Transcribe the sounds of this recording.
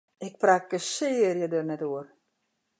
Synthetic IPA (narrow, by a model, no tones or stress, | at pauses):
ɪk̚prak̚ɡəsɪːrjədərnɛtuər